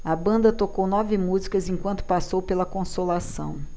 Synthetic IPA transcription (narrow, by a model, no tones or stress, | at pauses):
ɐbɐ̃nd̪ɐt̪okownɔvɪmuzikɐzẽkwɐ̃nt̪ʊ̥pasowpelɐkõsolasɐ̰̃w̃